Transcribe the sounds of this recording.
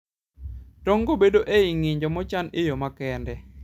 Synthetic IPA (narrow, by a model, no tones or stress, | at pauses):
tɔŋɡobedoʔeiŋiɲd͡ʒɔmɔt͡ʃanejomakɛndɛ